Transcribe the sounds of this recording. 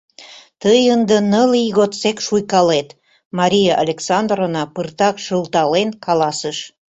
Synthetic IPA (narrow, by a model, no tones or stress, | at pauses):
t̪əjənd̪ənəliɣot̪sekʃujkɑlet̪ | mɑɾʲijeʔalʲeksɑnd̪ronɑpərt̪ɑkʃəlt̪ɑlenkʰɑlɑsəʃ